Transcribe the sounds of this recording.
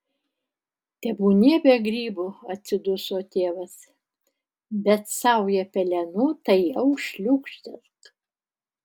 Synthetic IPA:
t̪ʲɛbuːnʲeːbʲɛɡɾʲiːbʊɐt̪ʲsʲɪd̪ʊsoːt̪ʲeːʋɐs | bʲɛt̪sɐʊjɛpʲɛlʲɛnʊt̪ɐɪjɛʊʃʲlʲʊkʃʲt̪ʲɛsk

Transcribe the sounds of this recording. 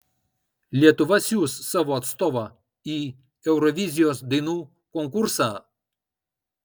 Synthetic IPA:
lʲiɛt̪ʊʋɐsʲjuːsːɑːʋoːɐt̪st̪oːʋɐ | iː | ɛʊɾɔʋʲizʲɪjoːsd̪ɐɪnuː | kɔŋkʊɾsɑː

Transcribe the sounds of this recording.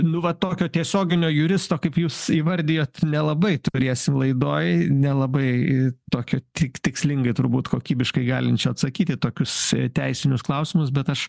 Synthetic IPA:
nʊʋɐt̪oːkʲoːt̪ʲiɛsʲoːɡʲɪnʲoːjuɾʲɪst̪oːkɐɪpjuːsiːʋɐɾʲd̪ʲɪjoːt̪ʲnʲɛlˠɐbɐɪt̪ʊɾʲeːsʲɪmlˠɐɪd̪oːjnʲɛlˠɐbɐɪt̪oːkʲoːt̪ʲɪkt̪ʲɪksʲlʲɪŋɡɐɪt̪ʊɾbuːt̪koːkʲiːbʲɪʃkɐɪɡɑːlʲɪnt͡ʃʲɛɐt̪sɐkʲiːt̪ʲɪt̪oːkʲʊst̪ʲɛɪsʲɪnʲʊsklˠɐʊsʲɪmʊs̬bʲɛt̪ɐʃ

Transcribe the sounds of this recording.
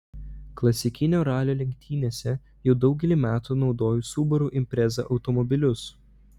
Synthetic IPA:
klˠɐsʲɪkʲɪnʲoːɾɑːlʲoːlʲɛŋʲk̚ʲt̪ʲʰiːnʲeːsʲɛ | jɛʊd̪ɒʊɡʲɛlʲiˑmʲæːt̪uːnɒʊd̪oːjuːsuːbɔɾuːʔɪmʲpʲɾʲɛzɑ̰ʔɒʊt̪ɔmɔbʲɪlʲʊs

